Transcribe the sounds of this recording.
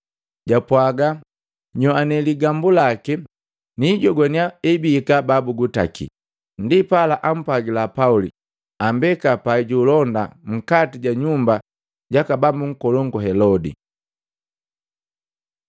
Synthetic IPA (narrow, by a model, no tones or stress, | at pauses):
ɟapwaɡa | ɲɔanɛliɡambulaki | niɟɔɡwaniaɛbiːkababuɡuta̰kḭ | ndipalaʔam̩pwaɡilapaulḭ | ambɛkapaiɟulɔnda̰m̩katiɟaɲumba | ɟakabambuŋ̩kɔlɔŋɡɔɦɛlɔdḭ